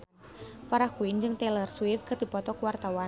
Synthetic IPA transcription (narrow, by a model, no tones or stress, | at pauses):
faɾahkuind͡ʒɨŋt̪ɛlərswifkɨrdipɔt̪ɔkəwart̪awa